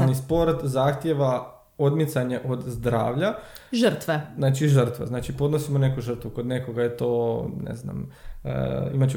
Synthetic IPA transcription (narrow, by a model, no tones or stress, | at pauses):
nispo̞ɾt̪zaːxt̪jeʋa | o̞d̪mit̪saɲeʔo̞d̪zd̪ɾa̰ːʋʎa | ʒəɾ̩t̪ʋeznaːt͡ʃiʒər̩t̪ʋeznaːt͡ʃipo̞d̪nosimone̞kuʒr̩t̪ʋuko̞d̪ne̞ko̞ɡajet̪o̞ːnḛzna̰mə̰ḭmat͡ɕu